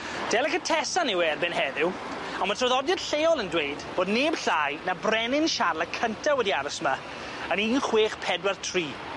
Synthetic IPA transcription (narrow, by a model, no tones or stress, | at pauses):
d̥ɛləkətʰɛsanɪwɛːrbenhɛðɪw | anmatʰrɔðɔdjəd̥ɬeːɔlˠəndwejdb̥oːdneːb̥ɬaːjnabrɛnɪnʃarlˠakʰəntʰawɛdiaɾɔsma | əniːnχweːχpʰɛdwartʰriː